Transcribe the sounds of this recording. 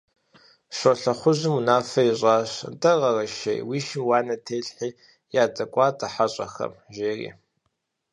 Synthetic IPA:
ʃʷɐɬɐχʷʊʑɨmunaːfɐiɕʼaːɕntʼɐʁɐrɐʃḛjwiːʃɪmwaːnɐtʰeːɬħiː | jaːt͡sʼɐkʷʼɑːtʼɐħaɕʼɐxɐ̰mʒeːrḭː

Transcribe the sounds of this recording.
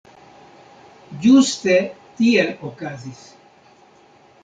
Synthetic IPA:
just̪et̪ieʔokazis

